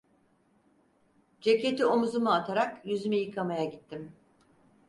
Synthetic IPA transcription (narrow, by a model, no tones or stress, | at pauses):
d͡ʒe̞ce̞t̪ʰio̞muzumuat̪ʰaɾakjyzymijɯkʰamajaɟit̪ːim